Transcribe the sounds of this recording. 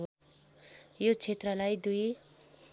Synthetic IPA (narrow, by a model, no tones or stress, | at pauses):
jot͡sʰet̪rʌlajd̪uj